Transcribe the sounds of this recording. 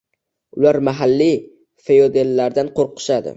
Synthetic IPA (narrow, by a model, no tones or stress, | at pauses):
ʊlaɾmaɦalːi | fe̞jod̪e̞lːaɾd̪anqʰoɾqʰɨ̥ʃad̪ɪ̰